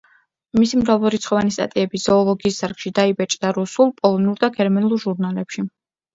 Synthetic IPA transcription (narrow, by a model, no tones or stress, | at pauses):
misimɾavluɾit̪sχɔvanist̪ʼa̰t̪ʼiɛbiz̥ɔːlˠɔɡiːsdaɾkʃid̪aibɛt͡ʃʼd̪aɾusulˠpʼɔlˠɔnuɾd̪aɡɛɾmanulˠɾʒuɾnalɛpʃi